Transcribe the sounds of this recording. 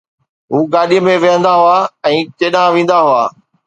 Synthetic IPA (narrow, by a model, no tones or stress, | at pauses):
ɦuːɡaːɗijəmẽʋɐɦə̃nd̪aɦʊaːɛ̃ːt͡ɕeːɗãʋẽːn̆d̪aɦʊa̰ː